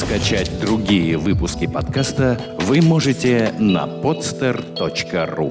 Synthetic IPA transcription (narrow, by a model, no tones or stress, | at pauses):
skɐt͡ɕætʲd̪ɾʊɡʲijəvɨpʊskʲɪpɐt̪kast̪ə | vɨmoʐɨtʲɪnɐ̰pot̪st̪ərt̪ot͡ɕkərṵ